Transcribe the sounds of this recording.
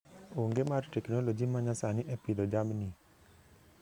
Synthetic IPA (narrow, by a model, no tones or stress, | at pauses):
oŋɡemaɾʈeknolod͡ʒimaɲasaniʔɛpid̪ɔd͡ʒamni